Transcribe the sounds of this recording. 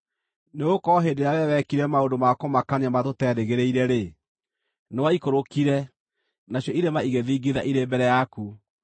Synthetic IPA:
neokɔɦedeɾawɛwɛkiɾɛmaondomakɔmakaneamatotɛɾeɣeɾeiɾɛɾe | newaikoɾokiɾɛ | naɕjɔiɾemaiɣeðiːɡiðaʔiɾembɛɾɛjaku

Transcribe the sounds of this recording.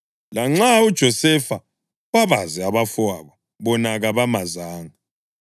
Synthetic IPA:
laŋ͡ǁaud̥ʒ̥ʱɔsɛfa | βaβazɛaβafwaβa | βɔnaɣaβamazaːŋa

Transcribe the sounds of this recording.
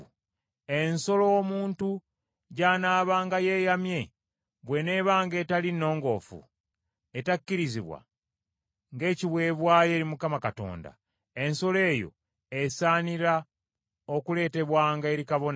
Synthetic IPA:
e̞nso̞lo̞ːmuːntu | ɟaːnaːβaːŋɡaje̞ːjamje̞ | βwe̞ne̞βaːŋɡe̞ːtalinːo̞ːŋɡo̞ːfṵ | e̞takːiɾiziβwa̰ | ŋɡe̞ːciβwe̞ːβwaːje̞ːɾimukamakato̞̰ːnda̰ | e̞nso̞le̞ːjo̞̰ | esaːniɾa | o̞kule̞ːte̞βwaːŋɡae̞ɾikaβo̞n

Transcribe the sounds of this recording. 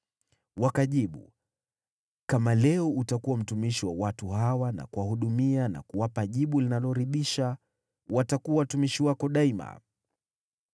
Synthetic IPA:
wakaʄiɓṵ | kamalɛɔutakuwam̩tumiʃiwawatuɦawana̰kuwahuɗumiana̰kuwapaʄiɓulinalɔɾiɗiʃa | watakuwawatumiʃiwakɔɗaima̰

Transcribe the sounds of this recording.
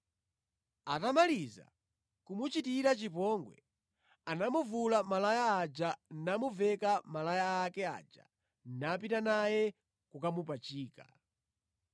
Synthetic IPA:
atamaliza̰ | kumut͡ʃitiɾat͡ʃipɔŋɡwɛ̰ | anamuvulamalajaːd͡ʒanamuvɛkamalajaːkɛa̰d͡ʒa̰ | nap̬itanajɛ | kukamupat͡ʃiːka

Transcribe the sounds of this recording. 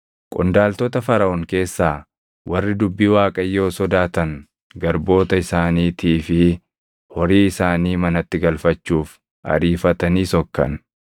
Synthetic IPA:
kʼʊnd̪aːlt̪ɔt̪ɐfɐɾɐɔŋke̞ːsːaː | wʔɐrːɪd̪ʊbːiːwaːkʼɐjːo̞ːsɔd̪aːt̪ɐn | ɡɐɾbo̞ːt̪ɐɪsaːniːt̪ʰiːfɪ | hɔɾiːɪsaːniːmɐnɐt̪ːɪɡɐlfɐt͡ʃːuːf | ʔɐ̰ɾiːfɐt̪ɐniːsɔkːɐ̰n

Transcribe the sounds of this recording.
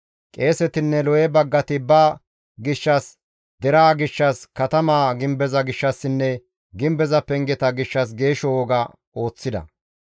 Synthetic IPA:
kʼe̞ːsɛt̪ɪnːɛlɔjɛbɐɡːɐt̪ɪbɐː | ɡɪʃːɐs | d̪ɛɾaːɡɪʃːɐskɐt̪ɐmaːɡɪmbɛzɐɡɪʃːɐsːɪnːɛ | ɡɪmbɛzɐpːɛŋɡɛt̪ɐɡɪʃːɐs̬ɡe̞ːʃɔwɔɡɐ | o̞ːt͡sːɪd̪ɐ̰

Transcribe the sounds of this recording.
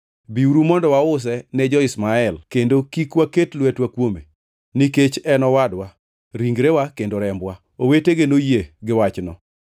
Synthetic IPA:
biuɾumɔndɔwaʊs̬ɛnɛd͡ʒɔɪsmaɛlkendokikwaketlwɛtwakwome | niket͡ʃɛnɔwadwa | ɾiŋɡɾewakendoɾɛmbwa | oweteɡenojeɡɪwat͡ʃnɔ

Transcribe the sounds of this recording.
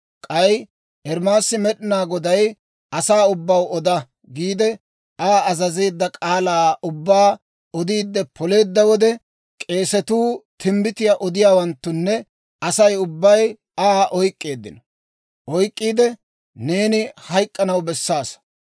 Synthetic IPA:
kʼɐj | ʔɛɾmaːsːɪmɛɗɪnaːɡɔd̪ɐj | ʔɐsaːʊbːɐwɔd̪ɐ | ɡiːd̪ɛ | aːɐzɐzeːd̪ːɐkʼaːlaːʔʊbːaː | ɔd̪iːd̪ːɛpʰɔle̞ːd̪ːɐwɔd̪ɛ | kʼe̞ːsɛt̪uːt̪ʰɪmbɪt̪ɪjaʔɔd̪ɪjaːwɐnt̪ːʊnːɛ | ɐsɐjʊbːɐj | aːʔɔjkʼːe̞ːd̪ːɪ̰nɐ | ʔɔjkʼːiːd̪ɛ | ne̞ːnɪhɐjkʼːɐnɐwbɛsːaːs

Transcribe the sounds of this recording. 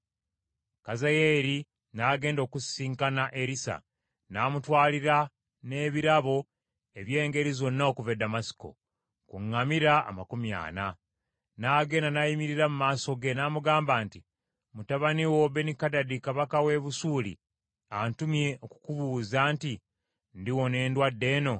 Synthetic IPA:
kazajeːɾi | naːɡe̞ːndo̞kusiːŋkanaʔeɾisa̰ | naːmutwaːliɾa | ne̞ːβiɾaβo̞ | e̞βje̞ːŋɡe̞ɾizo̞nːaokuvedamasi̥ko̞̰ | kuŋːamiɾa̰ːmakumja̰ːna | naːɡe̞ːndanajimiɾiɾamumaːso̞ɡenaːmuɡaːmbaːnti | mutaβaniwobenikadadikaβakawe̞βusuːlḭ | antumje̞ʔoku̥kuβuːzaːnti | ndiwo̞ne̞ːndwadːe̞ːno̞

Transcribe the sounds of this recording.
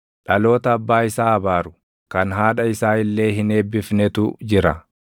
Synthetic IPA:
ᶑɐlo̞ːt̪ɐːbːaːɪsaːɐbaːɾʊ | kɐnɦaːᶑɐɪsaːɪlːe̞ːɦɪne̞ːbːɪfnɛt̪ʊd͡ʒɪɾɐ̰

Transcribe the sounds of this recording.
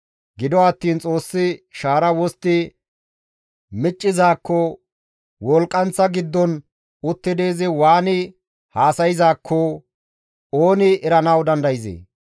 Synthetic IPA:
ɡɪd̪ɔɐt̪ːiːnt͡sʼo̞ːsːɪʃaːɾɐwɔst̪ːɪ | mɪt͡ʃʼːɪzaːkːɔ | wɔlkʼːɐnt͡sːɐɡɪd̪ːɔn | ʊt̪ːɪd̪e̞ːzɪwaːnɪ | haːsɐjɪzaːkʰːɔ | oːnɪɛɾɐnɐwd̪ɐnd̪ɐjɪzḛː

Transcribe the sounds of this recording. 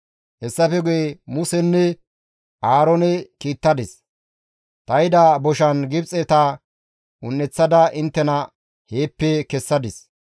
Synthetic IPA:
hɛsːɐfɛɡʊjemʊsɛnːɛ | ʔaːɾɔnɛkiːt̪ːɐd̪ɪs | t̪ɐjɪd̪ɐbɔʃɐnɡɪbt͡sʼɛt̪ɐ | ʊnːɛt͡sːɐd̪ɐʔɪnt̪ːɛnɐ | he̞ːpːɛkɛsːɐd̪ɪs

